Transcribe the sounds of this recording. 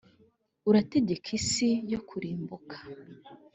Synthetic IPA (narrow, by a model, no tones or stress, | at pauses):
uɾate̞ɟe̞kʰisijo̞kʰuɾiːmbukʰḁ